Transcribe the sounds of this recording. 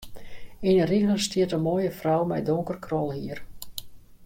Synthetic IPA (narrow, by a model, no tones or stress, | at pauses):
inəriɣləstiətəmoəjəfrɔwmɛ̰jdʊŋkərkʰrɔlˠhiər